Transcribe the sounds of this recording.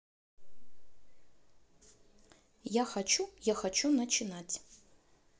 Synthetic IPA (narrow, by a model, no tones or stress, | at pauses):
jaxat͡ʃʰujaxat͡ʃʰunɐt͡ʃʰɪnatʲʰ